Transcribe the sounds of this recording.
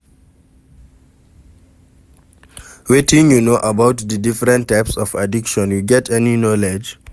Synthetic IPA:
wetĩŋjunoʔabaʊtðədifɹɛ̃ntːaɪpsɔva̰dikʃɔ̃njuɡɛtʰɛninɔled͡ʒ

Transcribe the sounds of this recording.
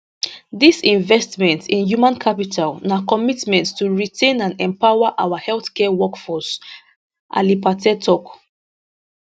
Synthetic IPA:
disĩɱvɛstmɛ̃ntĩnjumãnkʰapitʰalnakɔmitmɛ̃ntstuɹitʰẽnãnɛ̃mpaʊaʔawahɛlθkɛwɔkfɔs | ʔa̰lipatɛtʰɔk

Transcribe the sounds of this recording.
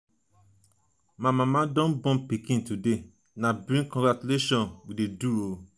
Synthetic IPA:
mãmãmãdɔ̃nbɔ̃npikĩntude | nãbɾĩnkɔ̃ŋɡɾat͡ʃuleʃɔ̃nwideduo

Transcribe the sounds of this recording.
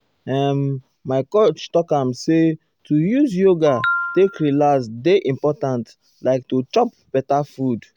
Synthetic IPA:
ɛmː | aɪkot͡ʃtɔkãmse | tʰujuzjoɡatekɹilasdeʔĩmpɔtãnt | laɪk̚tut͡ʃɔp̚ | b̥ɛtafud

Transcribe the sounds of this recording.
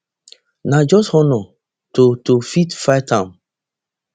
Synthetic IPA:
nad͡ʒɔshɔnɔ | totofitfajtʰãm

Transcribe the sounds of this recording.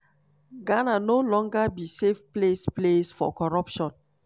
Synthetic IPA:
ɡananolɔ̃ŋɡabisefplesplesfɔ̰kɔɹɔpʃɔ̃n

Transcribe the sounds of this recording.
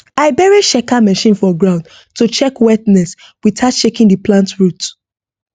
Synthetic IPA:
aɪbɛɹeʃɛkamɛʃĩnfɔɡɹãʊ̃nd | tut͡ʃɛkwɛtnɛs | witatʃekĩndiplãntɹut

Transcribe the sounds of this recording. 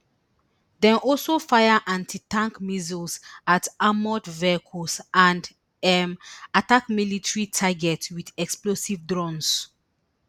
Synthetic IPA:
dɛ̃nʔɔlsofajaʔãntʰitãŋkmizulsatamɔtvɛkʰusʔãnd | ɛmatakmilitɹitʰaɡɛtwidɛksplosivdɹɔ̃ns

